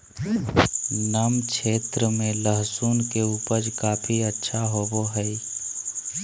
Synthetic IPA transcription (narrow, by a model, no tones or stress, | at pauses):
namkʰeːt̪ɾəmẽləɦsuːnkeuːpəɾd͡ʒkaːpʰiətːʃʰaɦoboɦɛi